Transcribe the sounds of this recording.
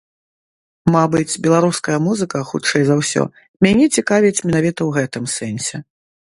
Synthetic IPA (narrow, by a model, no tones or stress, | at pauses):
mabɨt͡sʲbʲɛlˠaɾuskɐjɐmuzɨkɐxut͡ʂɛjzawsʲɔ̰ | mʲanʲɛt͡sʲikavʲit͡sʲmʲɛnavʲit̪ɐwɣɛt̪ɨmsɛnʲsʲɛ